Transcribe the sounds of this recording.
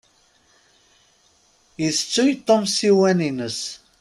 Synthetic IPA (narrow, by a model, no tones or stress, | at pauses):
iθt͡sːujit̪ˤːomsiwæninəs